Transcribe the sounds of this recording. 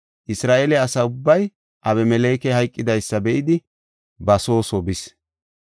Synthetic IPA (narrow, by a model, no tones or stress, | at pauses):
ʔɪsɾaːʔelɛɐsɐʊbːɐj | ʔɐβɛmɛleːkɛhɐjkʼːɪd̪ɐjsːɐbɛʔɪd̪ɪ | bɐso̞ːsɔbɪs